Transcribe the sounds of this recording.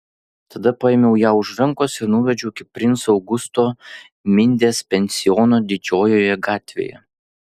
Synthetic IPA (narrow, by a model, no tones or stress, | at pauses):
t̪ɐd̪ɐpɐemʲɛʊjaːʊʃɾɐŋkoːsɪɾnʊʋʲɛd͡ʒʲɛʊɪkʲɪpʲɾʲɪnt̪sɒʊɡʊst̪oː | mʲɪnʲd̪ʲeːspʲɛnʲsʲɪjɔnoːd̪ʲɪd͡ʒʲoːjoːjɛɡɑːt̪ʲʋʲḛːjɛ̰